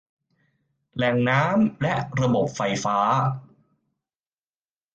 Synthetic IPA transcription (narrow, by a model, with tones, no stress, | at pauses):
lɛ˨˩ŋnaː˦˥mlɛ˦˥ʔɾa˧bo˨˩p̚fa˧jfaː˦˥